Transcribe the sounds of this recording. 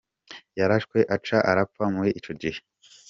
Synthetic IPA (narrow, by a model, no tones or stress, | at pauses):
jaɾaʃkwe̞ʔat͡ʃaʔaɾap̪famuweʔit͡ʃo̞ɟihe